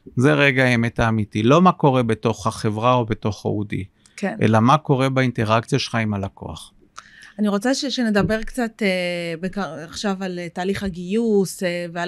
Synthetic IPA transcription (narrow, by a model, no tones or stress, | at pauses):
zeʁeɡaemetaːmitilo̞mako̞ʁe̞beto̞χhaχe̞vʁao̞beto̞χa̰udḭ | kʰenʔḛlamako̞ʁe̞bainteʁakt͡sjaʃelχaimalako̞̰a̰χ | aniʁo̞t͡saʃeʃene̞d̪abeʁkt͡sat̪ebekaaχʃavaletaːliχhaɡijusevea